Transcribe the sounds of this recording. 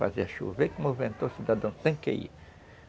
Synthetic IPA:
fa̰zeɐʃṵvekõmovẽnt̪osid̪ad̪ɐ̃w̃st̪ẽkḛḭ

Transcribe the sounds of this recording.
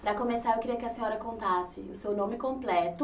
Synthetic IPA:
pɾɐkõmesaɾewkɪɾiɐkɪɐsẽɲɔɾɐkõnt̪asɪʊsewnõmɪkõplɛt̪ʊ

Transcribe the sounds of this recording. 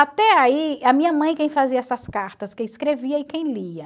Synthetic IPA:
at̪ɛaiɐmĩɲɐmɐ̃j̃kẽj̃faziɐɛsɐskaɾt̪ɐskẽj̃iskɾeviɐɪkẽj̃liɐ

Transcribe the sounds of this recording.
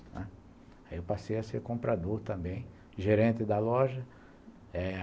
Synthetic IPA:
nɛ̰̃ | aiewpasejɐseɾkõmpɾad̪oɾt̪ɐ̃mbẽj̃ | ʒeɾẽnt̪ɪd̪ɐlɔʒɐ | ɛ

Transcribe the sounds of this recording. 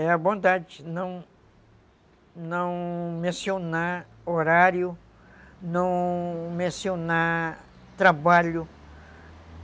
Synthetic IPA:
ɛabõnd̪ad͡ʒɪnɐ̃w̃ | nɐ̃w̃mẽsiona | oɾaɾjʊ | nɐ̃w̃mẽsiona | t̪ɾabaʎʊ

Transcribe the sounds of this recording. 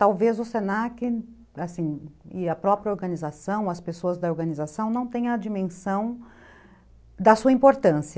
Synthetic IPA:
t̪awvezʊsenakɪ | asĩɪɐpɾɔpɾiɐoɾɡɐ̃nizasɐ̃w̃ɐspesoɐzd̪ɐoɾɡɐ̃nizasɐ̃w̃nɐ̃w̃t̪ẽɲ̃ɐɐd͡ʒimẽsɐ̃w̃ | d̪ɐsuɐĩpoɾt̪ɐ̃siɐ

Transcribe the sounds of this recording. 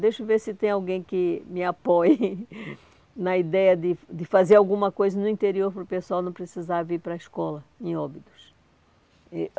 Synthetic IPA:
d̪ejʃʊveɾsɪt̪ẽj̃awɡẽj̃kɪmɪapɔj | nɐid̪ɛjɐd̪ɪd̪ɪfazeɾawɡũmɐkojzɐnʊĩnt̪eɾioɾpɾʊpesʊawnɐ̃w̃pɾesizaɾviɾpɾɐiʃkɔlɐẽj̃ɔbid̪ʊs | ɛ

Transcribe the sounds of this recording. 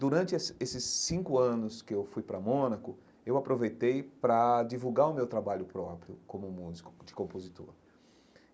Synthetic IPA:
d̪uɾɐ̃nt͡ʃɪɛsesɪsːĩŋkʊɐ̃nʊskɪewfujpɾɐmõnɐkʊ | ewapɾovejt̪ejpɾɐd͡ʒivuɡaɾʊmewt̪ɾabaʎʊpɾɔpɾjʊkõmʊmuzikʊ̥d͡ʒɪ̥kõpozit̪o̰ɾ

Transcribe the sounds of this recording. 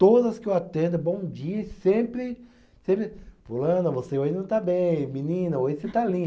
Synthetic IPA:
t̪od̪ɐzɐskɪewat̪ẽnd̪ʊbõw̃d͡ʒiɐsẽmpɾɪ | sẽpɾɪvulɐ̃nʊvoseoʒɪnɐ̃w̃t̪abẽj̃mĩnĩnɐojɪset̪alĩ

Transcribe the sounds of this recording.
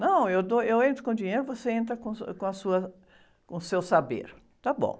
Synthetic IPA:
nɐ̃w̃ewd̪oewẽnt̪ɾʊkõd͡ʒiɲejɾʊɪvoseẽnt̪̬ɾɐkõkõɐsuɐ | kõsewsabḛɾ | t̪abõ̰w̃

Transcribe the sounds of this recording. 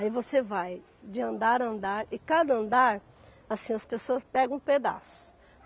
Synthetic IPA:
aivosevaj | d͡ʒɪɐ̃nd̪aɾɐ̃nd̪aɾɪkad̪ɐɐ̃nd̪aɾ | asĩɐspesoɐspɛɡɐ̃w̃ũped̪a̰sʊ̥

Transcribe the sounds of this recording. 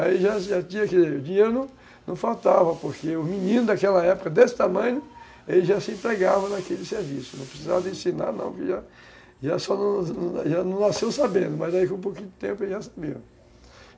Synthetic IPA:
aiʒaʒat͡ʃĩɲɐkɛzeʊd͡ʒiɲeɾʊnɐ̃w̃ | nɐ̃w̃fawt̪avɐpoɾkeʊminĩnʊzd̪akɛlɐɛpʊ̥kɐd̪esɪ̥t̪amɐ̃ɲʊ | elɪzʒasɪẽnt̪ɾeɡavɐ̃nakelɪseɾvisʊnɐ̃pɾesizavɐd̪ɪẽsina̰ɾnɐ̰̃w̃kɪʒa | ʒasɔnɐ̃w̃ñʒanɐ̃w̃nasewsabẽnd̪ʊmɐzd̪aikõp̬owkĩd̪ʊt̪ẽmpʊelʒasabi

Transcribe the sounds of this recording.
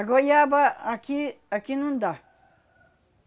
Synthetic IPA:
ɡojaːbaɐkiɐkinũnd̪a

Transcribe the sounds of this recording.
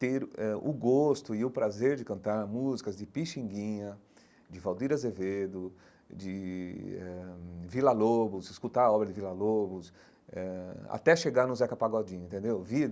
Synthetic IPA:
t̪eɾɛʊ̰ɡost̪ʊɪʊpɾazeɾd͡ʒɪkɐ̃nt̪aɾmuzikɐzd͡ʒɪpiʃĩŋɡĩɲɐ | d͡ʒɪvawd̪iɾɐzeved̪ʊ | d͡ʒɪ | ɛvilalobʊsɪskut̪aɾɐɔbɾɐd͡ʒɪvilalobʊs | ɛa̰t̪ɛʃeɡaɾnʊzɛkapaɡɔd͡ʒĩɲɐ̃ẽt̪ẽnd̪ewvi

